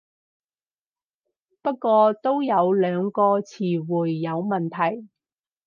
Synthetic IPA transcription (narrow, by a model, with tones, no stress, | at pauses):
pɐ˥kːʷɔː˧t̪o˥wjɐ˨˧wlœː˨˧ŋkɔː˧t͡sʰiː˨˩wuː˨˩jːɐ˨˧wmɐ˨˩nt̪ʰɐ˨˩j